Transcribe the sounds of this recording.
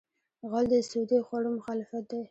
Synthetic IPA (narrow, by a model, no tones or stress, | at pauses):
ɣɑld̪əsud̪exwaɽomʊxɑlɪfat̪̚d̪e